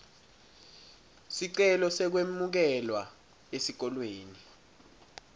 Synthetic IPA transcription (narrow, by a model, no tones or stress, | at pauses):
siǀɛlɔsɛk̬wemuk̬ɛlwa | esik̬ɔlweːni